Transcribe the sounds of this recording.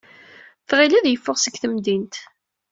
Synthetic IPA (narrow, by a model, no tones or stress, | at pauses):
θʁilæðjəfːʊʁsəɡθəmd̪int̪